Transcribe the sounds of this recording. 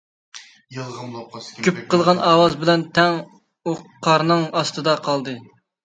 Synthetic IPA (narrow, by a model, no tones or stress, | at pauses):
ɡʲyp̚qəlˠʁɑnʔɑːwɑzbɪlɛnt̪ʰɛŋ | oqʰːɑɾnɨŋɑst̪ɨd̪ɑqʰɑlˠd̪ɨ